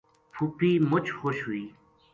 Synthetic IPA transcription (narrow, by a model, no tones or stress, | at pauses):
pʰupiːmʊt͡ʃʰxoʃɦuiː